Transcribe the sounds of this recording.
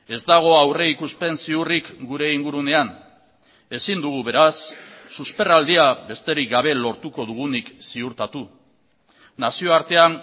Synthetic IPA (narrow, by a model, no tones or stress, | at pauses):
e̞zd̪aɣ̞o̞awre̞ikuspe̞nsiurikɡuɾe̞iŋɡuɾune̞an | e̞sind̪uɣ̞uβe̞ɾasːuspe̞rald̪iaβe̞st̪e̞ɾik̚ɡaβ̞e̞lo̞ɾt̪uko̞ðuɣ̞uniksiuɾt̪at̪u | nasioaɾt̪e̞an